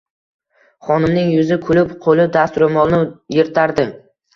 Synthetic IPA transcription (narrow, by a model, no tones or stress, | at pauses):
χɒnɪmnɪŋjʊzɪkʰʊlɪpqʰolɪd̪ast̪ʊɾɪmɒlˠnɪjeɾt̪ʰaɾd̪ɪ